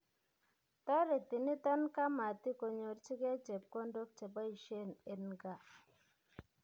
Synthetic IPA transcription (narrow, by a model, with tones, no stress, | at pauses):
tɔ˦ɾe˨ti˨ni˦ta˦nka˦ma˨ti˦ko˨ɲo˨ɾt͡ʃi˦kɛ˦t͡ʃe˨p̚kɔ˦ndo˦k̚t͡ʃe˨ba˦i˨ʃe˦˨ne˨nɡa˨